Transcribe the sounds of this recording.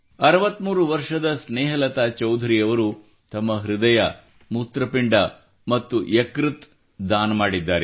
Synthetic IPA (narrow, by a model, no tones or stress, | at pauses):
ɐɾɐʋɐt̪ːmuːɾuʋɐɾʂɐd̪ɐsneːɦɐlɐt̪aːt͡ʃɐwd̪ʱɐɾiɐʋɐɾu | t̪ɐmːɐɦɾud̪ɐjɐ | mut̪ɾɐpiɳɖɐ | mɐt̪ːujekɾut̪ | d̪aːnɐmaːɽid̪ːaːɾe